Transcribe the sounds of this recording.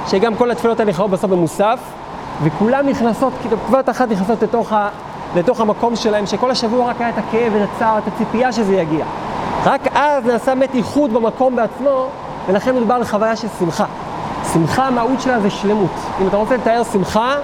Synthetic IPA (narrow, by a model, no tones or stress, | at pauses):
ʃeɡamko̞lat̪filo̞thaneχaot̚basofbemusaf | vekulamniχnaso̞tktvataχatniχnaso̞tletoχa | le̞to̞χhamako̞mʃe̞lahe̞mʃeko̞lhaʃavuaʁakajaetakeevetat͡saʁetat͡sipiaʃezejaɡiaʁakʔaznaːsametiχud̪bemako̞mbe̞at͡smo̞ | ve̞laχe̞nmed̪ubaʁleχavajaʃelsimχa | simχaːmaut̪ʃe̞lazeʃle̞mutimat̪aʁot͡seletae̞ʁsimχa